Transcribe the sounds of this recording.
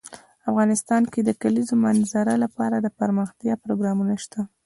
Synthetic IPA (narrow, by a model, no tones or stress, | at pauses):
afɣɑnɪst̪ɑnked̪əkalizomanzaɾalapɑɾad̪əpaɾməxt̪jɑpɾoɡɾɑmunaʃt̪a